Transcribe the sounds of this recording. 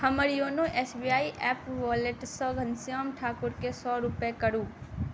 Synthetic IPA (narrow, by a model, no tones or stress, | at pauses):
həməɾjoːnõʔeːsbijaːiʔɛːpʋɔleʈsɔːɡʱənsjaːmʈʰaːkʊɾkesɔːɾʊpekəɾũː